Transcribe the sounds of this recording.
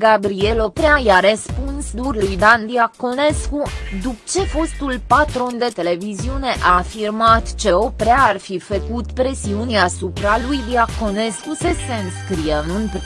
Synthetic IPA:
ɡabɾie̞lo̞pɾeajaɾəspunsd̪urlujd̪and̪iako̞ne̞skud̪ukt͡ʃe̞fo̞st̪ulpat̪ɾo̞nd̪e̞t̪e̞le̞viziune̞ʔaːfirmat̪t͡ʃe̞o̞pɾeaarfifəkut̪pɾe̞siunasupɾalujd̪iakone̞skusəse̞ɨnskɾijeɨnunp

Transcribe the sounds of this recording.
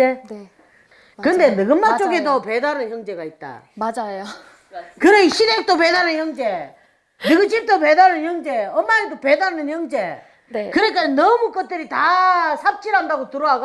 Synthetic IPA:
e | kɯnde̞nɯɡɯmːat͡ɕ͈oɡe̞dopedanɯnçjʌŋd͡ʑe̞ɡait̚t͈a̰mad͡ʑajo | kɯɾʌnɕʰidek̚t͈op̬edanɯnçjʌŋd͡ʑe̞ | nɯɡɯt͡ɕip̚t͈op̬edanɯnçjʌŋd͡ʑe̞ʌmːaedopedanɯnçjʌŋd͡ʑe̞ | kɯɾek͈anʌmuk͈ʌt̚t͈ɯɾitasʰap̚t͡ɕ͈iɾandaɡotɯɾoɦaɡo

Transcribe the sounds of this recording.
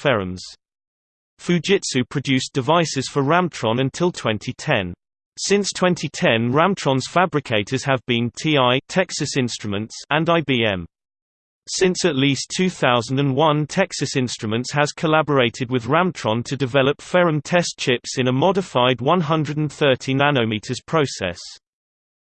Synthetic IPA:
fɛɹə̃mz̥ | fʉd͡ʒɪtsʉpʰɹ̥əd͡ʒʉˑsd̥ɪvaɪsɪz̥fəɹãmtʰɹ̥ɔ̃nə̃ntʰɪlˠtʰw̥ɛ̃ntʰitʰɛ̃n | sɪ̃nstʰw̥ɛ̃ntʰitʰɛ̃nɹãmtʰɹ̥ɒ̃nz̥fabɹɪkʰeɪtʰəz̥əvbĩntʰiːaɪtʰɛksəsɪ̃nstɹ̥əmə̃ntsə̃naɪbiːɛ̃m | sɪ̃nsəʔliˑstʰʉːθaʊzə̃n̩də̃nwʌ̃ntʰɛksəsɪ̃nstɹ̥əmə̃ntshəz̥kʰəlabəɹeɪtʰɪd̚wɪðɹãmtʰɹ̥ɒ̃ntʰədɪvɛləpfɛɹə̃mtʰɛst͡ʃʰɪpsɪ̃nəmɒdɪfaɪd̚wʌ̃nɦʌ̃ndɹədə̃n̩θɜˑtʰinanəʊmiˑtʰəz̥pʰɹ̥əʊsɛ̰s

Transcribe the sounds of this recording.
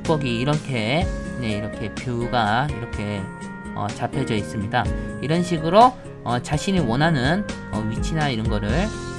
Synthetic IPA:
k̚p͈ʌɡiːɾʌnkʰe̞ne̞iɾʌkʰe̞pjouɡaiɾʌkʰe̞ | ʌ̰t͡ɕapʰed͡ʑʌis͈ɯmɲidaiɾʌnɕʰiɡɯɾo | ʌt͡ɕaɕʰiɲiwʌnɦanɯnʌɥit͡ɕʰinaiɾʌnɡʌɾɯɭ

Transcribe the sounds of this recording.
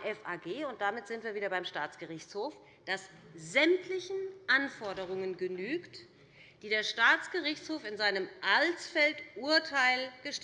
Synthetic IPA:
ʔɛfʔaːɡeːʊnt̚d̥amɪtz̥ɪntv̥iːɐviːɾɐbaɪmʃtaːt͡sɡ̥əʁɪçt͡shoːf | d̥as | zɛmtʰlɪçn̩ʔanfɔɐdəʁ̞ʊŋənɡənyːkt | d̥iːdeːɐʃtaːt͡sɡ̥əʁɪçt͡shoːfɪnzaɪnəmʔalt͡sfɛltʔuːɐtʰaɪlɡ̥əʃ

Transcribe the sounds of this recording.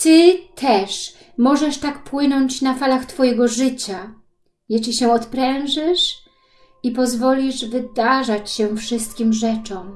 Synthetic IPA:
t̪ɘt̪ʰɛʂ | mɔʐɛʂt̪akpwɘnɔɲt͡ɕnafalaxt̪fɔjɛɡɔʐɘt͡ɕa | jɛɕlʲiɕɛ̃ɔt̪pɾɛw̃ʐɛʂ | ipɔzvɔlʲiʐvɘd̪aʐat͡ɕɕɛfʂɘst̪kʲimʐɛt͡ʂɔm

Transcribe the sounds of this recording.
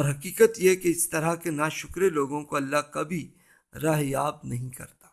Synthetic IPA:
ɔːɾɦɐkiːkət̪jekeɪst̪ɐɾakenaːʃʊkɾeloːɡõkoɐlːaɦkɐbʱi | ɾaːɦjaːbnɐɦĩkɐ̰ɾt̪ḁː

